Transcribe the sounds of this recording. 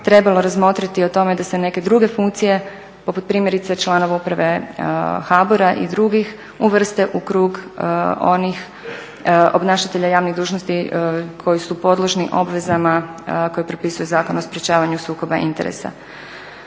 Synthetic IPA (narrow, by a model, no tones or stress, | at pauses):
t̪ɾe̞balo̞ɾazmo̞t̪ɾat̪io̞t̪o̞me̞d̪asene̞ke̞d̪ɾuːɡe̞fuŋkt̪sije̞ | po̞put̪̚pɾiːmjeɾit̪set͡ʃlˠaːno̞ʋaupɾaʋe̞ | xaboɾaʔḭd̪ɾuɡix | uʋr̩st̪e̞ʔukɾuːɡ | o̞nix | o̞bnaːʃat̪e̞ʎajaːʋniɣd̪uːʒnost̪ikʰo̞jisupo̞d̪lˠo̞ʒniʔo̞̰bʋe̞zamako̞jepɾopisujuzaːko̞naospɾjet͡ɕaːʋaɲusuːko̞baʔḭnt̪e̞̰ɾḛsa̰